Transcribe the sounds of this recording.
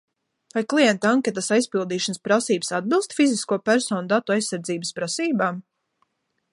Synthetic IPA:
vajklˠijɛnt̪aŋkʲet̪asajspilˠd̪iːʃanspɾasiːbə̥sad̪̚bilˠst̪fiziskuɔpæɾsɔːnud̪at̪uajsːaɾd̪ziːbəspɾasiːbaːm

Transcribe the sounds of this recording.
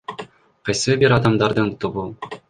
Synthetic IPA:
qɑjsɯbiɾɑd̪ɑmd̪ɑɾd̪ɯnt̪uβu

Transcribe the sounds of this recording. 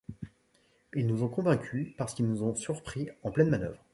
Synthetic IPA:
ilnuzɔ̃kɔ̃vɛ̃kʲʰypaʁsə̥kilnuzɔ̃syʁpχiɑ̃plɛnmanœ̰vʁ

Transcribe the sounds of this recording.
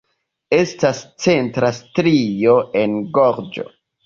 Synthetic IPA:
e̞stast͡se̞ntɾastɾio̞e̞nɡoɾd͡ʒo̰

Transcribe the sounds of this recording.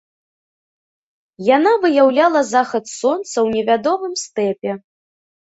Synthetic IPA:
janavɨjawlʲalˠɐzaxɐt̪sɔnt̪sɐwnʲɛvʲad̪ɔmɨmst̪ɛpʲɛ

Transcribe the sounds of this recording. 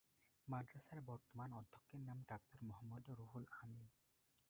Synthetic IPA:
madɹasaɹbɔɹt̪ɔmanɔd̪ʱːɔkːenamɖak̚t̪ɔɹmɔɦɔmːɔd̪ɾuɦulami

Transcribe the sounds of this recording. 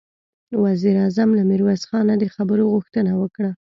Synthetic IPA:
waziɾɑzamlamɪɾwazxɑnad̪əxabəɾoɣʊxt̪ənawəkɽa

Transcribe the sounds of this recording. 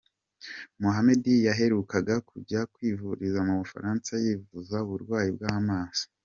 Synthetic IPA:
muɦame̞dijaɦe̞ɾukaɡakuɟakwiːvuɾizamuβufa̰ɾaːnsajiːvuzauβuɾɡwaːjibɡaːmaːz̥i̥

